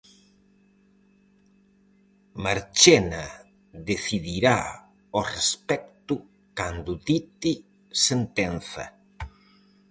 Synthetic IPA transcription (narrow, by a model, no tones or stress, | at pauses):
maɾt͡ʃena | ðeθiðiɾa | orespɛk̚t̪u | kand̪ut̪it̪i | sent̪enθɐ̰